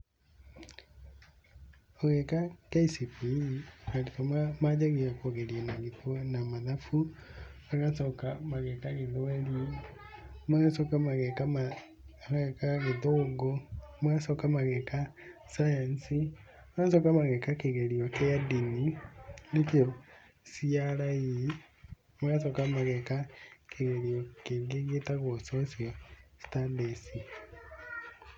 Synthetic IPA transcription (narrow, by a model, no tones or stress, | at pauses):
ɔɣɛkakaisipiaɾitɔamad͡ʒaɣiakoɣɛɾianaɣikonamaðafu | aɣasɔkamaɣɛkaɣeðɔwɛɾiɔ | maasɔkamaɣɛkama | aɣɣɛkaɣeðoɡɔmasokamaɣɛkasajansi | mɣasokamaɣɛkakeɣeɾiokeadininekio | siaɾai | moɣasokamaɣɛkakʰeɣeɾiokeŋɡeɣetaɣososjosi̥tadesi